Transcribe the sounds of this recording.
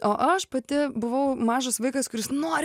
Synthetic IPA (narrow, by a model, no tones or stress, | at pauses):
oːʔɐʃpɐt̪ʲɪbʊʋɐʊmɑːʒɐsʋɐɪkɐskʊɾʲɪsnoːɾʲ